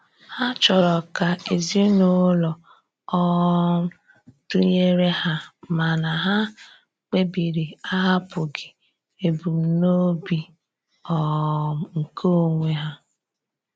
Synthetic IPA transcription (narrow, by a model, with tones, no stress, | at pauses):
ha˦t͡ʃɔ˨ɾɔ˨ka˨e˨zi˦no˦lɔ˨ | ɔ˦ | tu˦ɲe˦ɾe˦ha˦ma˨na˨ɦa˦ | k͡pe˦bi˨ɾi˨a˦ɦa˦pʊ˨ɡɪ˨ | e˨bu˨m̩˨˦no˦bi˨ | ɔ˨ŋ̩˨kʰo˦˨ŋʷe˦ɦa˦